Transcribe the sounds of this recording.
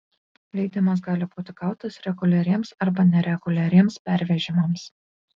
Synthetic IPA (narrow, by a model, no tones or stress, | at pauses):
lʲɛɪd̪ʲɪmɐs̬ɡɑːlʲɪbuːt̪ʲɪɡɑˑʊt̪ɐsɾʲɛɡʊlʲɛɾʲiɛmsɐɾbɐnʲɛɾʲɛɡ̥ʊlʲɛɾʲiɛmspʲæɾʲʋʲɛʒʲɪmɐms